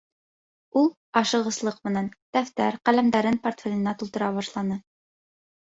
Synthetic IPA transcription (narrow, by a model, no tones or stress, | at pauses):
ulˠ | ɑʃɤ̆ʁɤ̆slˠɤqmɘ̆nænt̪æft̪æɾqælæmd̪æɾɘnport̪fʲelʲɘ̆næt̪ulˠt̪ɤ̆ɾɑβɑʃlˠɑnɤ